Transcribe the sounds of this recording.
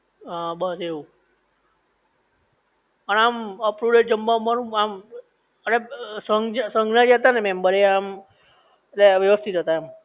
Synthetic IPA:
abəseʋũ | pəɳaməpɾuɾeʈ̚d͡ʒəmbamanũam | ənesəŋɡsə̃ŋɡnad͡ʒat̪anemɛmbəɾeam | eleʋjəʋəst̪ʰit̪ɦət̪aem

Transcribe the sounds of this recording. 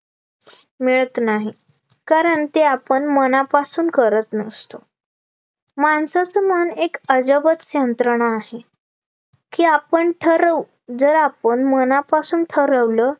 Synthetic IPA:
meɭət̪naɦi | kaɾəɳt̪eapəɳmənapasuːnkəɾət̪nəst̪o | mansat͡səmənekəd͡ʑəbət͡sjənt̪ɾəɳaːɦe | kiːapəɳʈʰəɾəʋ | d͡zəɾapəɳmənapasuːnʈʰəɾəʋlə

